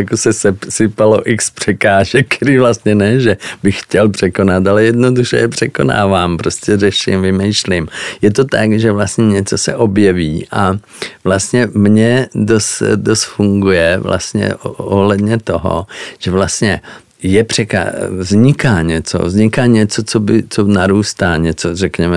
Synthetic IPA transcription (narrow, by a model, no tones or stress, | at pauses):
jakosɛsɛsɪpaloʔɪkspr̥ɛkaːʒɛk̚kt̪ɛɾiːvlast̪ɲɛnɛʒɛbɪxxcɛlpr̝̥ɛko̞nat̪alɛjɛdnoduʃɛ̰jɛpr̝̥ɛkona̰ːvaːmpɾostcɛrɛʃɪ̰mvɪmɛjʃlɪmjɛt̪ot̪akʒɛvlast̪ɲɛɲɛt͡sosɛ̰ʔobjɛviːʔa̰ | vlast̪ɲɛmɲɛdost̪dost̪fuŋɡujɛvlʔa̰st̪ɲɛ̰oɦlɛd̪ɲɛt̪oɦo̰ʒ̥ɛvlast̪ɲɛ | jɛpr̝̥ɛka̰vzɲɪkaːɲɛt͡so̰vzɲɪkaːɲɛt͡sot͡sobɪt͡sonaɾuːst̪aːɲɛt͡sorɛkɲɛmɛ